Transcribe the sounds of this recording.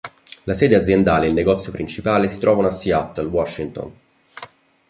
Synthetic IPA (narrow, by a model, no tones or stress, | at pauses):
lasɛːd̪ead̪zːjend̪aːleilneɡɔt̪sjopɾint͡ʃipaːlesit̪ɾɔːvanoasːiat̪ːalwɔʃːint̪ɔ̰n